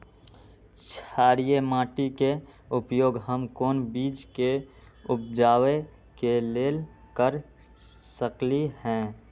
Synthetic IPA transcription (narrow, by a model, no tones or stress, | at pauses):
t͡ʃʰaːɾijemãːʈikeʊpjoːɡɦəmkoːnbiːd͡ʒke | ʊp̚d͡ʒaːwe | keleːl | kəɾ | səklihɛ̃ː